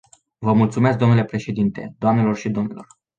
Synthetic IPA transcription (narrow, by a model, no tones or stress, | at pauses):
vəmult̪sume̞s̬k̚d̪o̞nule̞pɾe̞ʃe̞d̪int̪e̞̰d̪oamne̞lo̞rʃid̪o̞mnilo̞r